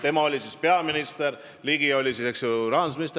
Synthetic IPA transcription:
t̪e̞mɑo̞lʲisispe̞ɑminist̪eɾ | liɡ̥io̞lʲisiseksjoɾɑːnd̪usminist̪e

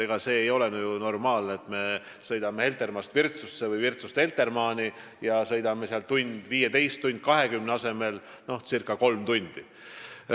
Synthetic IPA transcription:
eɡ̥ɑse̞ːjo̞lenyjuno̞rmɑːlneet̪me̞ | sɤjd̪ɑmehe̞lt̪e̞rmɑst̪virt̪susːevɤjvirt̪sust̪he̞lt̪e̞rmɑːni | jɑsɤ̞jd̪ɑmeseɑlt̪unʲd̪̥viːjet̪e̞jst̪ːunʲd̪̥̚kɑɦe̞kymneɑse̞me̞l | no̞hsirkːˑɑko̞lmt̪unʲd̪̥i

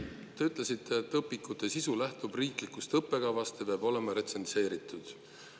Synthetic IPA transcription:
t̪e̞yt̪ˑle̞sit̪ːe̞t̪ːˑɤpːˑikut̪ːˑe̞sisulæht̪ub̥riːklikust̪ɤpːe̞ɡ̥ɑvɑst̪epeɑbo̞le̞mɑɾe̞t̪se̞nse̞ːɾit̪ːud̪̥

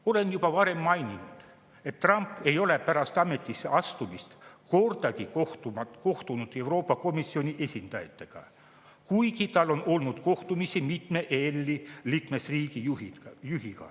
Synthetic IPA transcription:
o̞le̞njub̥ɑvɑɾe̞mːɑjninud̪̥ | e̞t̪ːrɑmpːˑe̞jo̞le̞pæɾɑst̪ɑme̞t̪ːˑisːeʔɑst̪umist̪ko̞rd̪ɑɡi | ko̞ht̪unud̪̥e̞wɾo̞ːpˑːɑko̞misːio̞niʔe̞sʲind̪̥ɑjɑt̪ːˑe̞ɡ̥ɑ̰ | kujɡit̪ɑlːo̞no̞lnud̪̥ko̞ht̪umisimit̪me̞ʔelʲːiliːkme̞sriːɡiijuhikɑ̰

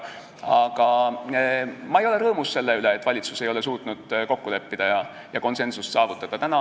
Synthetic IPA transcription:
ɑɡ̥ɑ | mɑe̞jo̞leɾɤːmusse̞lːe̞yle̞ːt̪ːˑvɑlʲit̪suse̞jo̞le̞suːt̪ˑnud̪̥ko̞kːule̞pːid̪̥ɑjɑ | jɑko̞nse̞nsussɑːvut̪ːˑɑd̪̥ɑt̪ænɑ

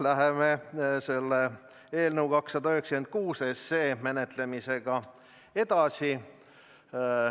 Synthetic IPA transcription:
læɦemese̞lːe | eːlnəwkɑksːɑd̪ɑyhekske̞nd̪̚kuːsesːeːme̞net̪le̞mise̞ɡ̥ɑ | e̞d̪̥ɑsi

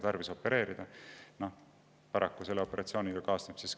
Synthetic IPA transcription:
t̪ɑrvisopːe̞ɾe̞ːɾid̪̥ɑnoh | pɑɾɑkːuse̞lːeopːˑe̞ɾʔɑt̪sio̞ːnʲiɡɑkɑːsnepsis

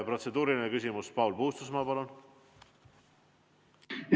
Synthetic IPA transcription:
pro̞t̪se̞d̪uːɾilinekysʲimuspɑwlpohust̪usmɑːpɑlun

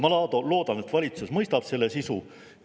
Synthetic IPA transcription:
mɑlɑːd̪olo̞ːd̪ɑne̞t̪ːvɑlʲit̪susmɤjst̪ɑb̥se̞lːe̞sisu

